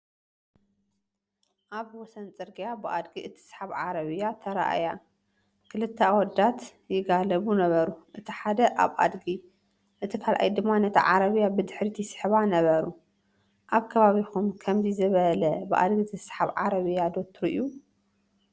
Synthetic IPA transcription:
ʔaβwɔsɐnt͡sʼɨɾɡijabɨʔad̪ɡiʔɨt̪ʰi̥sħaβʕaɾɐβɨjat̪ʰɐɾa̰ʔa̰ja | kʰɨlɨt̪ʰːɐwɔd̪ːat̪ | jɪɡalɐβunɐβɐɾuʔɨt̪ʰiħad̪ɐʔa̰βa̰d̪ɡi | ʔɨt̪ʰikʰalʔa̰jd̪ɨmːanɐt̪ʰɐ̰ʕaɾɐβɨjabɨd̪ɨħɾit̪ʰisɨ̥ħβanɐβɐɾu | ʔaβkʰɐβaβixumkʰɐmzizɨβɐlɐbɨʔa̰d̪ɡit̪ʰisħaβʕa̰ɾɐβɨjːad̪ot̪ʰɾuʔḭju

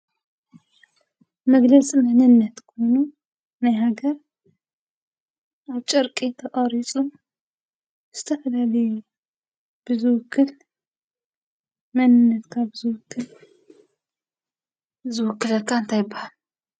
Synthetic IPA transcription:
mɐɡlɐsʼimɐnɨnːɐt̪kʰojnu | najɦaɡɐɾ | ʔaβt͡ʃʼɐɾkʼit̪ʰɐqʼɐɾit͡sʼum | z̥ɨt̪ʰɐfɐlalɐju | b̥ɨzɨwʊkʰːɨl | mɐnɨnːɐt̪kʰaβɨzɨwʊkːɨl | zɨwʊkːɨlɐkʰːaɨnt̪ʰajɪbːahal

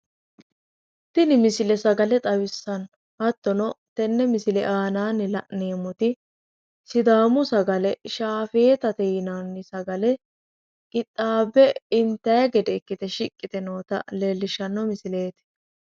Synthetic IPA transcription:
t̪ːɪnɪmɪsɪlɛsɐɡɐlɛt̪ʼɐwɪsːɐn | hɐt̪ːɔnɔt̪ɛnːɛmɪsɪlɛʔaːnaːnːɪlɐʔneːmɔt̪ɪ | sɪd̪aːmʊsɐɡɐlɛʃaːfe̞ːt̪ɐt̪ɛjɪnaːnːɪsɐɡɐlɛ | kʼɪt̪ʼːaːbɛɪnt̪ːɐjɐɡɛd̪ɛɪkːɪt̪ɛʃɪkʼːɪt̪ɛnoːt̪ɐ̰leːlːɪʃːɐnːɔmɪsɪle̞ːt̪ɪ̥

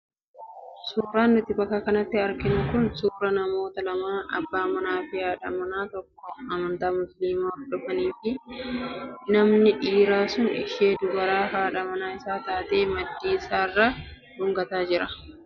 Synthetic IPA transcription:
suːɾaːnːʊt̪ɪbɐkːɐkɐnɐt̪ːɪɐɾkɪnʊkʊnsuːɾɐnɐmo̞ːt̪ɐlɐmaːʔɐ̰bːaːmɐnaːfɪhaːᶑɐmɐnaːt̪ɔkːɔɐmɐnt̪aːmʊsliːmaːfᶑʊfɐniːfɪ | nɐmnɪᶑiːɾaːsʊnɛ̰ʃeːd̪ʊbɐɾaːɦaːᶑɐmɐnaːɪsaːt̪aːt̪e̞ːmɐd̪ːiːɪsaːɪrːaː | hʊŋɡɐt̪aːd͡ʒɪɾɐ

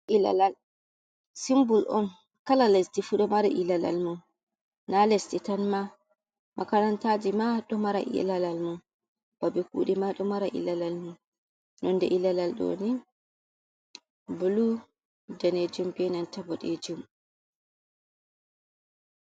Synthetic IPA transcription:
ʔila̰lal | simbulʔɔn | kalalestifuɗɔmaɾaʔilala̰lmun | nalestitanma | mʔakanantad͡ʒimaɗɔmaɾa̰ʔḭlalalmun | b̥abɛkṵːɗimaɗɔmaɾaʔḭlalalmun | nɔndɛʔilalalɗo̰ni | bulu | daned͡ʒumbɛnantabɔɗɛ̰d͡ʒum

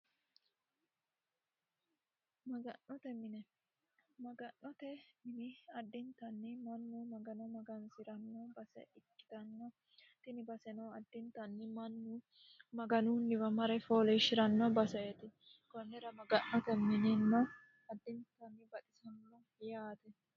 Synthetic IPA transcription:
mɐɡɐnːɔt̪ɛmːɪnɛ | mɐɡɐnːɔt̪ɛɪnɪɐd̪ːɪnt̪ɐnːɪmɐnːumɐɡɐnɔmɐɡɐnsɪɾɐnːobɐsɛ̰ʔɪkːɪ̥t̪ɐnːɔ | t̪ɪnɪbɐsɛnɔɐd̪ːɪnt̪ɐnːɪmɐnːʊ | mɐɡɐnunːɪbɐmɐɾɛfoːlɛʃɪɾɐnːɔbɐsɛjɛt̪ɪ | kɔnːɛɾɐmɐɡɐnːɔt̪ɛmːɪnɪnːɔ | ɐd̪ːɪnt̪ɐnːɪbɐt̪ʼɪsɐnːɔ | jaːt̪ɛ

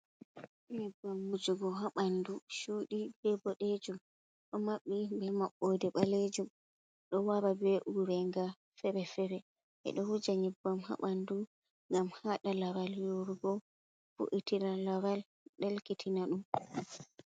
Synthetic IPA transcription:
ɲɛbːamːud͡ʒuɡɔɦaɓanduʃuɗibɛbɔɗed͡ʒum | ɗɔmaɓːibɛmaɓːodɛɓaled͡ʒum | ɗɔwaɾabɛʔuɾɛŋɡa | fɛɾɛfɛɾɛ | ʔɛ̰ɗɔhud͡ʒaɲɛbːamha̰ɓandu | ŋɡamhaɗalawaljoɾuɡɔ | fṵʔitiɾalawal | ɗɛlkitʰinaɗum

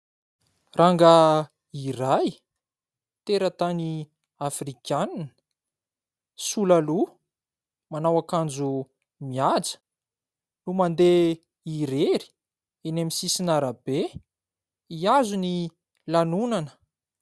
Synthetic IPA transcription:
rʔaŋɡa | iɾaj | t̪eɾət̪ani | afrikʲanan | sulalu | manawakand͡zu | miad͡zə̥ | numand̪e | iɾeɾi̥ | enamisisinaɾabe | iazuni | lanunanə̥

